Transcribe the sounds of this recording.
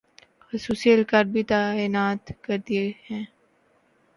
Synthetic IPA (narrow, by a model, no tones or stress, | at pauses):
xʊsuːsiəlkaːɾɖ̚bʱit̪aːinaːt̪kɐɾd̪iehɛ̃ː